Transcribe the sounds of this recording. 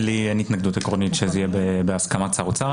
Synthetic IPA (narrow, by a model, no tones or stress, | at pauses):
lienit̪naɡd̪ut̪ekʁonit̪ʃezijebebeaskamat͡saʁut͡sa